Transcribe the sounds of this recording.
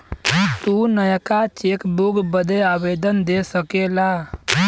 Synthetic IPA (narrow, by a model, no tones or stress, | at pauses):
t̪unəjəkat͡ʃeːkbuɡbəd̪eabeːd̪ənd̪esəkelaː